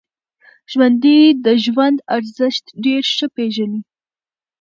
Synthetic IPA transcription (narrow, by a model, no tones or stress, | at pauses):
ʒ̥wand̪id̪əʒwand̪aɾzɪʃt̪ɖeɾʃəpeʒani